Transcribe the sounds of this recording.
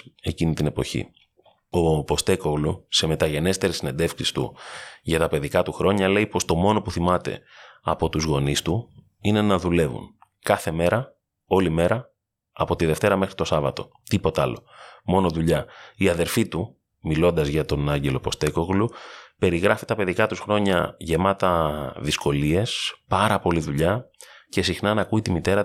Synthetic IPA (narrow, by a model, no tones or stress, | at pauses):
e̞cinit̪ine̞po̞çḭ | o̞po̞st̪e̞ko̞ɣluse̞me̞t̪ɐʝe̞ne̞st̪e̞ɾesine̞nd̪e̞fksist̪ṵʝɐt̪ɐpe̞ðikɐt̪uxɾo̞ɲɐle̞ipo̞st̪o̞mo̞no̞puθimɐt̪e̞̰ɐpo̞t̪uzɣo̞nist̪u | ine̞nɐðule̞vṵnkɐθe̞me̞ɾɐ | o̞lime̞ɾʔɐː | po̞t̪iðe̞ft̪e̞ɾɐme̞xɾit̪o̞sɐvɐt̪o̞̥̰ | t̪ipo̞t̪ɐlo̞mo̞no̞ðuʎɐiɐðe̞ɾfit̪u | milo̞nd̪ɐzʝɐt̪o̞nɐɲɟe̞lo̞po̞st̪e̞ko̞ɣlupe̞ɾiɣɾɐfit̪ɐpe̞ðikɐt̪usxɾo̞ɲɐʝe̞mɐt̪ɐðisko̞lie̞spɐɾɐpo̞liðuʎɐce̞sixnɐnɐkuit̪imit̪e̞ɾɐ